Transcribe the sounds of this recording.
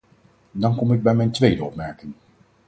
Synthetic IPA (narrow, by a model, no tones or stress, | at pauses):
dɑnkɔmɪɡ̚bɛjmɛjntʋejdəɔpmɛɹkɪŋ